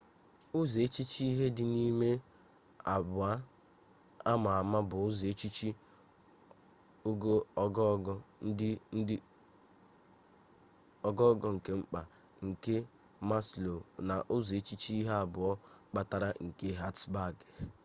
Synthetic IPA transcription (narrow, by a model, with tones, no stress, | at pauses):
ʊ˦ze˨˦t͡ʃi˦t͡ʃi˦i˦ɦe˦dɪ˨ni˦me˦ | a˨bʊ˨a˦ | a˦ma˨a˨ma˦bʊ˨ʊ˦ze˨˦t͡ʃi˦t͡ʃi˦ | o˦ɡo˦ɔ˦ɡɔ˦ɔ˦ | ɔ˨ɡɔ˦ɡɔ˦ŋ̩˨ke˦ŋ͡m̩˦k͡pa˨ | ŋ̩˨ke˦ | ma˦slo˨na˨ʔʊ˦ze˦t͡ʃi˦t͡ʃɦe˦a˨bʊ˨ɔ˦k͡pa˦ta˦ɾa˦ŋ̩˨ke˦ɦa˦tsba˦˨ɡ